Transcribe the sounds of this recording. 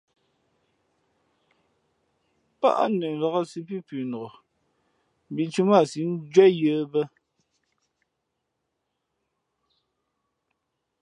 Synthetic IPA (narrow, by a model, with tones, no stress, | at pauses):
pa̰˦ʔa̰˦nə˨n̩˨va˨ɣa˦si˦p̬i˦pʉ˨no˨ɣɔ˨ | m˨bi˨t͡ʃu˦ma˦˨si˨˦n̩˦d͡ʒwɛ˦jə˦bə˦